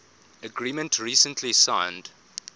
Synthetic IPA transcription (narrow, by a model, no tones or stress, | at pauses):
əɡɹiːmə̃ntʰɹiːsə̃ntʰlisãɪ̃nd̥